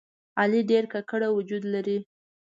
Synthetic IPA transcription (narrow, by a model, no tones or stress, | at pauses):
ɑliɖeɾkakəɽawʊd͡ʒud̪laɾi